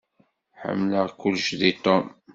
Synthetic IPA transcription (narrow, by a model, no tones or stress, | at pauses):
ħə̰mːləʁkulːʃðit̪ˤɔm